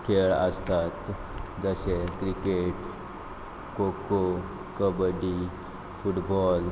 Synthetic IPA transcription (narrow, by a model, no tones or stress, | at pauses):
kʰeɭə̰st̪at̪ | d͡zəɕekɾikeʈ | koko | kəbəɖi | fuʈbɔl